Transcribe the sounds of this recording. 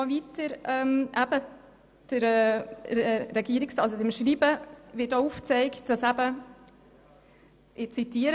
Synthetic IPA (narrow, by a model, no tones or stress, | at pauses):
vitəɾɛmʔæb̥ə | d̥əɾɛɛɾɛɡiːəɾɪksdɑsəsɪmʃɾiːbəvɪtouft͡sɛɪkt̚d̥ɑsæb̥ə | ʔɪt͡sitiːəɾ